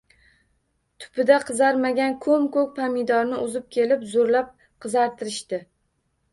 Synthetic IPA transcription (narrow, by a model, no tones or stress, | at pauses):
t̪ʰʊ̥pɪd̪aqʰɨzaɾmaɡʲankʰɵmkɵk̚ʲpʰamɪd̪ɒɾnɪʊzɪp̚kʲʰe̞lɪpzoɾlap̚ | qʰɨzaɾt̪ʰɪɾɪʃt̪ɪ